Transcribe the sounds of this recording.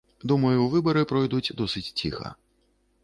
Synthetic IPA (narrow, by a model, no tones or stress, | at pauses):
d̪umɐjuvɨbɐɾɨpɾɔjd̪ut͡sʲd̪ɔsɨt͡sʲt͡sʲixɐ̰